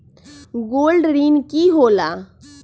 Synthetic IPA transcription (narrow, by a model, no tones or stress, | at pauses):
ɡoːlɖɾiːnkiɦoːlaː